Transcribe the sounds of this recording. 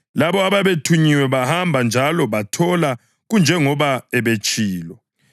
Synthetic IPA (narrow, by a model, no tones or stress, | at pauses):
laβɔaβaβetʰuɲiwɛβahambʱand͡ʒʱalɔβatʰɔla | ɣund͡ʒʱɛŋɔβaɛβet͡ʃʼiːlɔ